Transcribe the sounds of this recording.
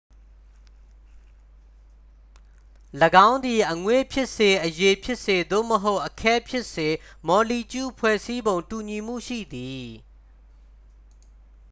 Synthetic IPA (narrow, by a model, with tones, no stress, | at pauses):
ləɡã˦ʊ̃nd̪i˨ʔəŋwe˦˨pʰjɪ˦ʔse˨ʔəje˨pʰjɪ˦ʔse˨d̪o̰˦˨məɦo˦ʊʔəkʰɛ˦pʰjɪ˦ʔse˨ | mɔ˨li˨t͡ɕu˦˨pʰwɛ̰˦˨si˦bõ˨ʊ̃ntu˨ɲi˨m̥ṵ˦˨ʃḭ˦˨d̪i˨